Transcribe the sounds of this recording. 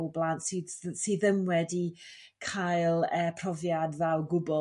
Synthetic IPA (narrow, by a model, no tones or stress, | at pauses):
wblˠantsɨsiːðəmwɛdi | kʰajlˠəːpʰr̥ɔvjadvɛwɡʊbɔ